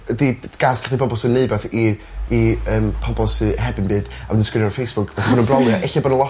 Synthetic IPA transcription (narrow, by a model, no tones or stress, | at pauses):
ədiɡ̥aːskʰḁχdˠipʰɔbɔlˠsɨneɨbɛθiː | əːmpʰɔbɔlˠsɨɦɛbɨnbɨːd̥awɨndənskrɪnjɔrfejsb̥ʊkʰvɛθʊnənbrɔlˠjaʔɛɬabɔdəlˠɔ